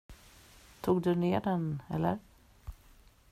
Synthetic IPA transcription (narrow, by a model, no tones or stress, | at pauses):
t̪ʰuːɡd̪ɵneːɖɛnɛ̰lːə̰ɾ